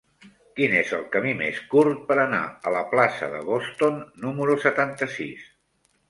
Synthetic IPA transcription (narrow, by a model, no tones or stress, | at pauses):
kinezəlˠkəmimeskuɾt̪̚pəɾəna̰ələplasə̰ðə̰βost̪onːuməɾusət̪ant̪əsḭs